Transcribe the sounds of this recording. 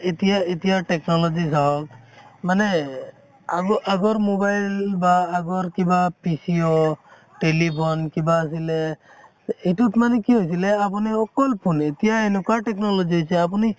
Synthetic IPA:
et̪ijaet̪ijaʈeknɔlɔd͡ʒisaɔkmane | aɡɔʔaɡɔɾmobajlbaːɡɔɾkibapisio | ʈelipʰɔnkibaːs̬ileː | ʈut̪manekiɦojsileap̬uniɔkɔlpʰunet̪ijaenukaʈeknɔlɔd͡ʒiɦɔjt͡ʃʰeap̬uni

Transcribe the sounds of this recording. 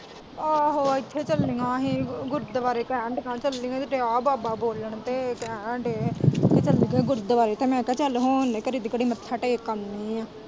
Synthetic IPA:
aɦoːɪt̪ʰːeːt͡ʃəlːɪŋɡãːɦiːɡʊɾt̪d̪əʋaːɾeːkɛ̃ːɳɖkãːt͡ʃəlːɪ̃ːɡãt̪ɪʈeːaːbaːbaːboːləɳt̪eːkɛ̃ːɳɖeːeːt͡ʃəldiɡeːɡʊɾ̚d̪əbaːɾeːt̪eːmɛ̃ːkɛːt͡ʃəlɦoːneːkəɾiːd̪ikəɽiːmət̪ʰːaːʈekːəmniːãː

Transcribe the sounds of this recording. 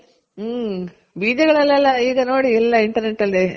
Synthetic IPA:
biːd͡ʒɐɡɐɭɛlːɛlːɐiːɡɐnoːɽiɛlːɐiɳʈɐɾneʈːɐlːe

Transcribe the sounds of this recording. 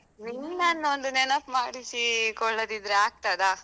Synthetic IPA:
ninnanːond̪unɛnɐpmaːɽisikɔɭːɐd̪id̪ɾeaːɡ̚t̪ad̪a

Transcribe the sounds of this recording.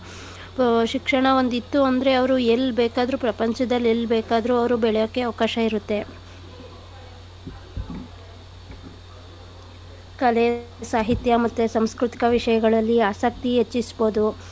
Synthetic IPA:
ʃikʂɐɳɐo̞nd̪it̪ːuɐnd̪ɐɾe̞ɐʋɐɾuelbeːkaːd̪ɾupɾɐpɐɲt͡ʃɐd̪ɐlːelːbeːkaːd̪ɐɾuɐʋɐɾubɛɭjokːe̞ɐʋɐkaːʃɐiɾut̪ːe̞ | kɐle | saːɦit̪jɐmɐt̪ːusɐmskɾut̪i̥kɐʋiʂɐjɐɡɐɭɐlːiaːsɐk̚t̪iɦet͡ʃːisbo̞ːd̪u

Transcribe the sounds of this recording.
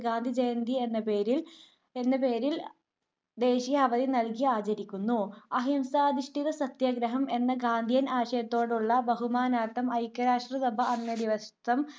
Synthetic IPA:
ɡaːnd̪ʱid͡ʑejnd̪ʱie̞nːɐpe̞ːɾil | e̞nːɐpeːɾil | d̪e̞ːɕijɐɐʋɐðinɐlkiaːt͡ɕɐɾikʲːunːuɐɦimsaːd̪ʱiʂʈiðɐsɐt̪jɐɡɾɐɦɐme̞nːɐɡaːnd̪ʱijɐnaːɕɐjɐt̪ːo̞ːɽuɭːɐbɐɦumaːnaːʈ̪ːɐmɐjkːɐɾaːʂʈrɐsɐbʱɐɐnːjɐd̪iʋɐst̪ɐm

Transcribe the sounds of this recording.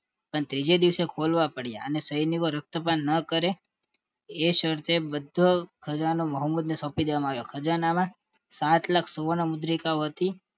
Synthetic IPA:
pəɳt̪ɾid͡ʒed̪iʋsekʰolʋapəɽja̰ə̰nesəjnikoɾək̚t̪əpanːəkəɾeː | ʃəɾt̪ʰebəd̪ʱokʰəd͡ʒanoməɦəmːud̪nesɔ̃pid̪eʋamãaʋjokʰəd͡ʒanamã | sat̪lakʰsoʋənəmʊd̪ɾikaoɦət̪i

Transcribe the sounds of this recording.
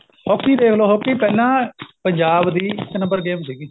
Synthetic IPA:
hɔːkːiːd̪eːkʰloːɦoːkiːpɛːlãːpəɲd͡ʒaːbd̪iːɪknə̃mbəɾɡeːmsiːɡiː

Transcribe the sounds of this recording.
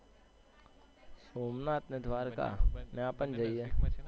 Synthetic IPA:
soːmnaːt̪ned̪ʱʋaːɾka̰neaːpənd͡ʒaije

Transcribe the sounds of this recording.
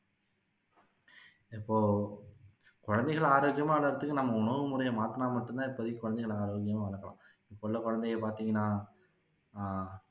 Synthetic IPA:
ɪpːoː | kʊɻɐnd̪ɐɪɣɐɭaːɾoːɡɪjɐmaːʋɐɭɐɾɐt̪ːɯkːɯnɐmːɐʊɳɐʋɯmʊɾɐjɐmaːt̪ɐnaːmɐʈːɯnt̪ãːɪpːoːɐðɪkːkʊɻɐnd̪ɪɣɐɭaːɾoːɡjɐmaːʋɐɭɐɾkːɐlã̰ː | ɪpːoːɭːɐkʊɻɐnd̪ɛjɐpaːɾt̪iːŋɡɐnːaː

